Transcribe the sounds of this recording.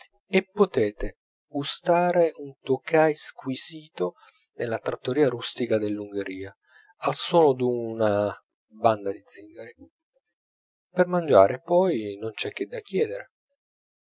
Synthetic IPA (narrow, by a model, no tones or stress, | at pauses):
epːot̪ɛːt̪e | ust̪aːɾeunt̪okajskwisiːt̪o | nelːat̪ɾat̪ːoɾiːaɾust̪ikad̪elːuŋɡeɾiːa | alswɔːnod̪una | band̪ad̪id̪ziŋɡaɾi | permand͡ʒa̰ːɾepɔjnont͡ʃɛk̟ːed̪ːakːjɛːd̪eɾe